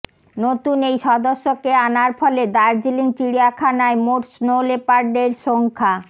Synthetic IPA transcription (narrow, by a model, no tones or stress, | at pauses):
not̪unejʃɔd̪oʃːokeanaɾfɔled̪aɾd͡ʑiliŋt͡ɕiɽiakʰanaemoʈsnolepaɾɖeɾʃoŋkʰa